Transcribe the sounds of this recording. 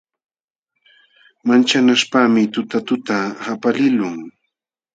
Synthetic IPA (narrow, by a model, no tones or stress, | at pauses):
mant͡ʃanaspaːmɪt̪ʊt̪at̪ʊt̪ahapalɪlʊŋ